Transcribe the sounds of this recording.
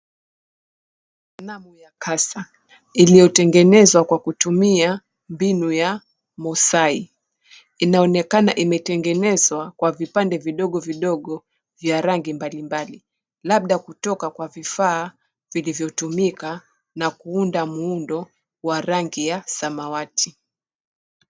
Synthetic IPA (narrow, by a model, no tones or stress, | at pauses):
namujakʰasa | ilijɔtɛŋɡɛnɛzwakwakutumia | mbinuja | mɔsai | inaɔnɛkanaʔimɛtɛŋɡɛnɛzwakwavipandɛviɗɔɠɔviɗɔɠɔ | vjaɾaŋɡimbalimbali | laɓ̚ɗakutɔkakwavifaː | vilivjɔtumika | nakuundamuundɔ | waɾaŋɡijasamawatʰi